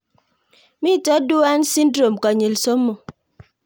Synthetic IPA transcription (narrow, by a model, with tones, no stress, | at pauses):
mi˦˨tɔ˦du˦a˦n̩˦si˦n̩˦dɾo˨m˨kɔ˨ɲe˨lso˦m̩˦mːo˨